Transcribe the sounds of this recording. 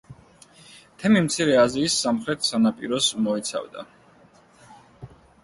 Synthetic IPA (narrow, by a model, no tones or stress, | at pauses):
t̪ʰɛmimt̪sʰiɾɛaziːsːamχɾɛt̪ʰsanapʼḭɾɔsmɔit̪sʰa̰vd̪a̰